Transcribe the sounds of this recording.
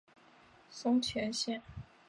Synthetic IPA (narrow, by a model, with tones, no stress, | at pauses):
sʊ˥ŋt͡ɕʰɥɛ˧˥nɕjɛ˥˩n